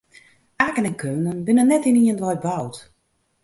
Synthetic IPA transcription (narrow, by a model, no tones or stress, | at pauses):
aːkənɛnkʰøːnənbɪnənːɛtiniəndʋɔj̚bawt